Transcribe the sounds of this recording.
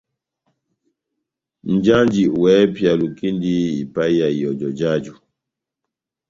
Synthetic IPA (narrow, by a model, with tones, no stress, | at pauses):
n̩˨d͡ʒa˦nd͡ʒi˨wɛ˨˦pja˨lu˨ki˦ndi˦i˨pa˦i˦ja˨jɔ˨d͡ʒɔ˨d͡ʒa˦d͡ʒu˨